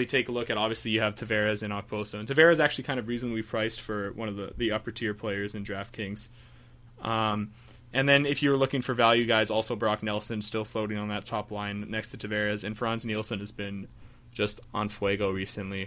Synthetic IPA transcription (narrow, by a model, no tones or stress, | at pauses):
itʰeɪkəlʊkɨɾɑbviɨslijɨːv̥tʰɨvɛɹɨzɨ̃ñɑk̚pʰoʊsõntʰɨvɛɹɨzæk̚t͡ʃʉl̩ˠikʰãɪ̃ndʌvɹiznəb̩ipʰɹ̥aɪstfə˞wʌ̃nʌvðə̰ðiʌpə˞tʰɪɹpʰl̥eɪə˞zɨ̃ndɹæft̚kʰɪ̃ŋz̥ | ʔʌ̃m | ɨ̃nðɨ̃nɪfjɨwə˞lʊkɪ̃ŋfə˞vælˠjʉɡaɪzɔlˠsoʊbɹɑk̚nɛlˠsɨ̃nstɪlˠfloʊɾɪ̃ŋə̃nðɨtʰɑplãɪ̃nːɛkstʰɨtʰɨvɛɹɨzɨ̃nfɹɑ̃nznilˠsɨ̃nɨzbɪ̃n | d͡ʒʌstʔn̩fweɪɡoʊɹisɨ̃nʔli